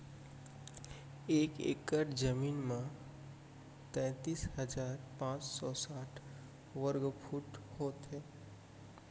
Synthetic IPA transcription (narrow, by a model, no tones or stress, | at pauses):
eːkḛːkəʈd͡ʒəmiːnmẽ | t̪ɛ̃ːt̪iːsɦəd͡ʒaːɾpãːt͡ʃsɔːsaːʈʰ | ʋəɾɡpʰuʈhoːt̪ɦɛː